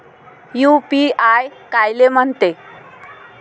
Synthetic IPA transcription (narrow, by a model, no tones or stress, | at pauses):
jupiajkajlem̤əɳt̪e